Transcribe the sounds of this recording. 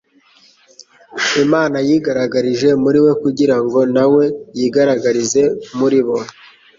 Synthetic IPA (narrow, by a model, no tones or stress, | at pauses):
imaːnajiːɡaɾaɡaɾiʒe̞muɾiwe̞kuɟiɾaŋɡo̞nawe̞jiːɡaɾaɡaɾize̞muɾiβo̞